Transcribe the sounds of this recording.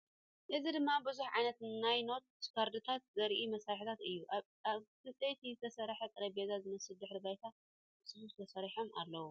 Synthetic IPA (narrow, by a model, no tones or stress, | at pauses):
ʔɨzid̪ɨmːabɨzuħʕajnɐt̪najno̞t̪̚skʰaɾd̪ɨt̪ʰat̪̚zɐɾʔimɐsaħit̪ʰat̪ɨjːuʔa | aβkɨt͡sʼejt̪ʰizɨt̪ʰɐsɐɾħɐt̪ʼɨɾɐbezazɨmɐsɨld̪ɨħɾɨbajt̪ʰa | ɨsɨsuzɨt̪ʰɐsɐɾiħomʔa̰lːɐwu